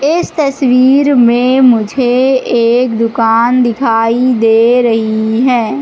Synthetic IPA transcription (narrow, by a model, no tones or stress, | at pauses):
ɪst̪əswiːɾmẽmʊd͡ʒʱeeːkd̪ʊkaːnd̪ɪkʰaːid̪eːɾɐɦiɦɛː